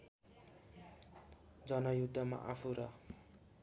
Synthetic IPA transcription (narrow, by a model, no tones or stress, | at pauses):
d͡zʌnʌjud̪ʱːʌma̰ʔapʰuɾʌ